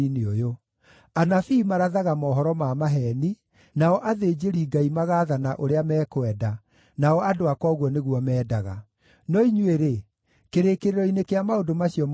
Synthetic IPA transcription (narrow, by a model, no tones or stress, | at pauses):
ineojo | anafiːmaɾaðaɣamɔːɦɔɾɔmamaɦɛni | naɔʔaðed͡ʑeɾiːɡaimaɣaːðanaʔoɾeamɛːkwɛda | naɔʔadoakwɔɣwɔneɣwɔmɛːdaɣa̰ | nɔiɲweɾe | keɾekeɾeɾɔinekeamaodomaɕiɔm